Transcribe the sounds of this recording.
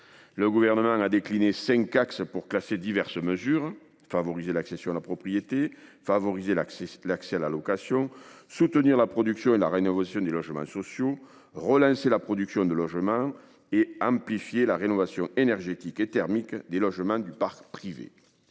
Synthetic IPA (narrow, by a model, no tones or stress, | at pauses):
ləɡuvɛʁnəmɑ̃ŋad̪eklinesɛ̃ŋkaksəpuʁklased̪ivɛʁsəməzyʁ | favɔʁizelaksesjɔ̃alapχɔpχijet̪efavɔʁizelaksɛalalɔkasjɔ̃sut̪əniʁlapχɔd̪yksjɔ̃elaʁenɔvasjɔ̃d̪elɔʒəmɑ̰̃sɔsjo | ʁəlɑ̃selapχɔd̪yksjɔ̃d̪əlɔʒəmɑ̃ | eɑ̃mplifjelaʁenɔvasjɔ̃enɛʁʒet̪iket̪ɛʁmikd̪elɔʒəmɑ̃d̪ypaʁkpχivḛ